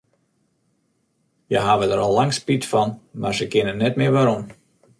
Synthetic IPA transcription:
jaɦaːvədəɾɔlˠːɑŋspitfɑnma̰rsəkɪnənɛtmeːʋaɾɔm

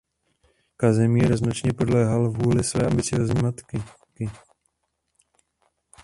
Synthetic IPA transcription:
kazɛmiːɾznot͡ʃɲɛpodlɛːɦalvuːlɪsvɛ̰ːambɪt͡sɪjoːzɲiːmat̪kɪ | kɪ

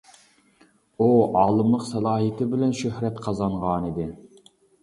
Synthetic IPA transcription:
uɑːlˠɨmlˠəqsɛlˠɑːɦijt̪ʰɪbɪlɛnʃøhɾɛt̪qʰɑzɑɴʁɑnid̪ɪ

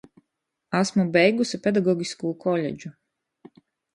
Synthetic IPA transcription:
asmubɛjɡusipʲed̪aɡɔɡʲiskuːkʰɔlʲḛd͡ʒu

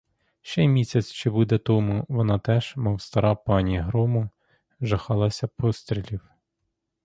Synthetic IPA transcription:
ʃt͡ʃɛmʲisʲɐt͡sʲt͡ʃɪbud̪ɛt̪ɔmʊʋɔnɑt̪ɛʒ̥mɔwst̪ɐɾɑpɑnʲiɦɾɔmʊ | ʒɐxɑlˠɐsʲɐpɔst̪ɾʲilʲiw

